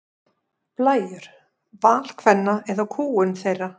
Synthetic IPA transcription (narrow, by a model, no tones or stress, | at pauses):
plaːjʏɾ̥ | vaːl̥kʰvɛnːaɛðawkʰuːʏnθejrːa